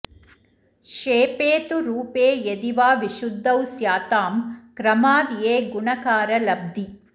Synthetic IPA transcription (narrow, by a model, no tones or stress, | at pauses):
ʃeːpeːt̪uɾuːpeːjeðiʋaːʋiʃʊd̪ʱːɐwsjaːt̪aːmkɾɐmaːd̪ijeːɡʊɳɐkaːɾɐlɐb̚d̪i